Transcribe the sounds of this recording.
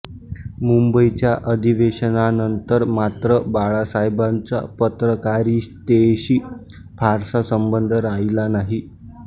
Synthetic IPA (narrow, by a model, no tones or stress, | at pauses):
mumbəit͡ɕjaʔəd̪ʱiʋeɕənanənt̪əɾmat̪ɾəbaɭasajbant͡sa̰pət̪ɾəkaɾiːst̪eɕiː | fʰaɾsasəmbənd̪ʱəɾajlanaɦi